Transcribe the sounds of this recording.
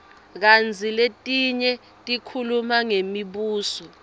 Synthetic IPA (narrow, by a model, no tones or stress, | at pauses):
k̬and͡zʱiletʼiɲɛ | tʼikʰulumaŋemiɓuːsɔ